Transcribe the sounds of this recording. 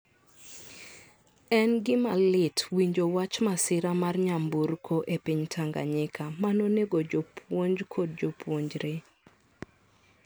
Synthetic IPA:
ɛnɡɪmalɪtwiɲd͡ʒowat͡ʃmasɪɾamarɲambuɾkʰoʔepiɲtʰaŋɡa̰ɲɪkʰamanoneɡod͡ʒopʰwoɲd͡ʒkʰod̚d͡ʒopwoɲd͡ʒɾe

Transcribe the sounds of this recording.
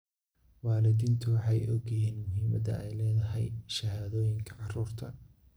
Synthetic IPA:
wɑːlɪd̪iːnt̪ʰʊwɑħɑjʔɔɡjɐɦiːnmʊɦiːmɐd̪ɐ̰ɛjlɛːðɐɦɛjʃɐɦaːðɔːjɪŋkʰɐ̥ʕɑruːrt̪ʰɐ

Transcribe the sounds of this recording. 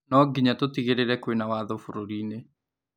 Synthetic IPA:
nɔɡiɲat̪ot̪ikeɾeɾɛkwenawaðɔfuɾoɾine

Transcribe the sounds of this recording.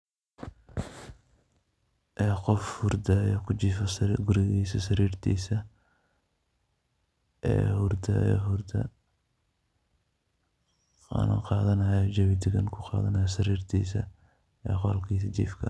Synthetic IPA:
ʔɛːqɔfhʊrd̪ɐːjɔkʰʊt͡ʃiːfɐsɡʊɾɪɣiːsɐsɐɾiːrt̪ʰḭːsɐ | ʔɛ̰ːhʊrd̪ʰɐ̰jɛ̰ɦʊrd̪ʰɐ̰ | ɑ̰nɐ̰qɑːðɐnɐjɔd͡ʒɐβɪd̪ɪɣɐnkʰʊqɑ̰ːðɐnɐjɐsɐɾiːrt̪ʰḭːsɐ̰ | ɛ̰ːqɑːlkʰiːs̬ɐt͡ʃḭːfkʰɐ

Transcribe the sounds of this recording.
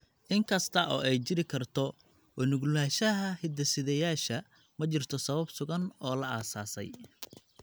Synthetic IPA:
ʔɪŋkʰɐst̪ʰɐʔɔ̰ːʔɛjt͡ʃɪɾɪkʰɐrt̪ʰɔ | wɔnʊɡlaːʃɐɦɐhɪd̪ɐsɪðɛjaːʃɐ | mɐt͡ʃɪrt̪ʰɔsɐβɐbsʊɣɐnɔːlɐaːsaːsɛ̰j

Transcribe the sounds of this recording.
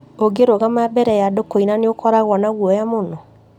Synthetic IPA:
oɡeɾoɣamabɛɾɛjadokoinaneokʰɔɾaɣwɔnaɣwɔjamonɔ

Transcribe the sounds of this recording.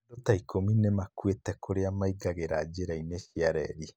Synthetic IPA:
dotaikʰominemakwetɛkʰoɾeamaiɡaɣeɾad͡ʑeɾaineʃiaɾɛɾi

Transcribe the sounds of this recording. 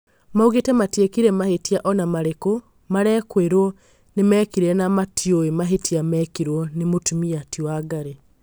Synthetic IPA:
mauɣetɛmatjekiɾɛmahetiaʔɔnamaɾeko | maɾɛːkweɾwɔ | nemɛːkiɾɛnamatjoemaɦetiamɛːkiɾwɔnemotumiatjoaɡaɾe

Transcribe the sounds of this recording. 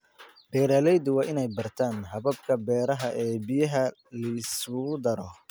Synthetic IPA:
b̥ɛːɾɐlɛjd̪ʊwɑːʔɪnɛjbɐrt̪ʰaːnɦɐβɐbkʰɐbɛːɾɐɦɐʔɛːbijɐɦɐ | lɐsʊd̪ɐɾɔ

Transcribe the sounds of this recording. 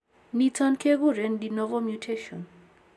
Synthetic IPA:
nitankʰeɡuɾɛndinɔvɔmjutʰeʃɔ̰n

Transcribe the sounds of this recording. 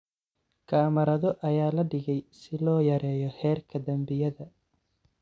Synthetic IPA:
kʰaːmɐɾɐðɔʔɐjaːlɐɖɪɣɛjsɪlɔːjɐɾɛːjɔhɛːrkʰɐd̪ɐmbɪjɐðɐ

